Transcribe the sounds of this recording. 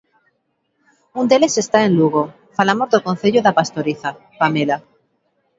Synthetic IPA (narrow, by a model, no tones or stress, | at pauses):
und̪e̞le̞se̞st̪aẽ̞nluɣ̞o̞ | falamo̞zðoko̞nθeʎoðapast̪o̞ɾiθa | pamela